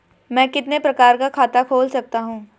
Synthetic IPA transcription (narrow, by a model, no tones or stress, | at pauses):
mɛ̃ːkɪt̪nepɾɐkaːɾkakʰaːt̪akʰoːlsɐk̚t̪aɦũː